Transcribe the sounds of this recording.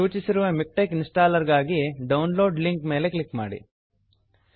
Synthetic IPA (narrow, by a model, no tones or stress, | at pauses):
uːt͡ʃisiɾuʋɐmik̚ʈɐkinsʈaːlɐɾɡaːɡiɖɐwnlo̞ːɖliŋkme̞ːle̞klikma̰ːɽḭ